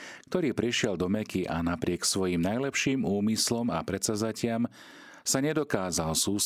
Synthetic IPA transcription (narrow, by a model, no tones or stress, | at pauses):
k̚t̪ɔɾiːpɾiʃɪɛld̪ɔmɛkiʔa̰napɾɪɛksʋɔjimnajlɛpʃiːmuːmislɔma̰pɾɛt͡sazacɪam | saɲɛd̪ɔkaːzalsuːs